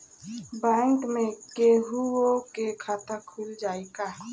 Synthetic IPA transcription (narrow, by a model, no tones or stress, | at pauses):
bɛ̃ŋkmẽkeɦuokekʰaːt̪akʰuld͡ʒaːeka